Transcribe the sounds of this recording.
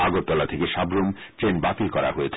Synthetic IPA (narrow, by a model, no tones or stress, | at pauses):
aɡot̪̚t̪ɔlat̪ʰekeʃabɾum | ʈɾenbat̪ilkɔɾa̰ɦoet͡ɕʰ